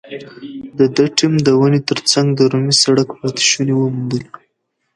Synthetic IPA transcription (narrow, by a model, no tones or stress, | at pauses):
d̪əd̪əʈimd̪əwanet̪əɾt͡saŋɡd̪əɾumisaɽakpɑt̪ɪ̥ʃunewəmd̪il